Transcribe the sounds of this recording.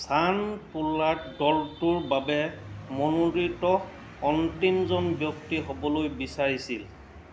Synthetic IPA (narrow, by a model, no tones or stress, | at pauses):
sanpulatdɔltuɹbabɛmɔnuditɔː | ntimzɔnbjɔktiɦobɔlojbisaɹisil